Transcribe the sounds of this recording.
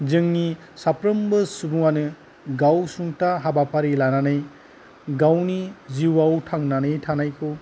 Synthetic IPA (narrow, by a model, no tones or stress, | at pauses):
zɯŋni | sapɾɯmbɯsubuŋanɯ | ɡawsuŋtaɦabapaɾilananɯj | ɡawniziwawtʰaŋnanɯjtʰanajkʰɯ